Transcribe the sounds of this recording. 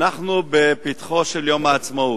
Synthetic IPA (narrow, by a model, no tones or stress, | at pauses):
aχnubepit̪χoʃeljomaːt͡smau